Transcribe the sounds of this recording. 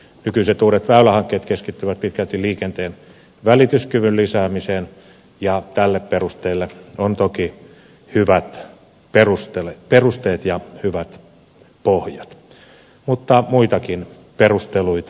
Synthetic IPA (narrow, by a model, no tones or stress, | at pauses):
nykyiset̪uːɾet̪ʋæylæhɑŋkːˑeːt̪keskit̪ːyʋæt̪̚pit̪kælt̪iliːkent̪eːn | ʋælit̪yskyʋyllisæːmisen | jɑt̪ælːepperust̪eːlːeont̪oki | hyʋæt̪ | perust̪eleperust̪eːt̪jɑhyʋæt̪ | pohjɑt̪ | mut̪ːɑmuit̪ɑkin | perust̪eluit̪ɑ